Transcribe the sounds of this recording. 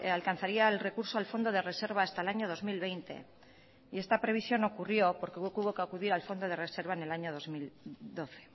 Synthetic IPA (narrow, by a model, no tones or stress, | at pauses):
alkanθaɾiaelre̞kuɾso̞alfo̞nd̪o̞ð̞e̞re̞se̞ɾβaːst̪aelaɲo̞ðo̞zmilβe̞jnt̪e̞̰ | ie̞st̪apɾe̞β̞isjo̞no̞kurjo̞po̞ɾkeukuβo̞keakuðiɾalfo̞nd̪o̞ð̞e̞re̞se̞ɾβ̞aene̞laɲo̞ðozmild̪o̞θe̞̥